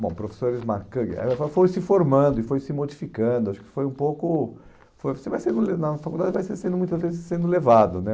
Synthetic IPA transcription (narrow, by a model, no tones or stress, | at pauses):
bõ̰w̃pɾofe̥soɾɪzmaɾkɐɡɛ̰fafojsɪfoɾmɐ̃nd̪ʊɪfojsɪmod͡ʒifikɐ̃d̪ʊaʃʊ̥kɪ̥fojũpowkʊ | fojvosevajsẽnd̪ʊlenɐfakuld̪ad͡ʒɪvajsesẽnd̪ʊmũj̃t̪ɐzvezɪsːẽnd̪ʊlevad̪ʊnɛ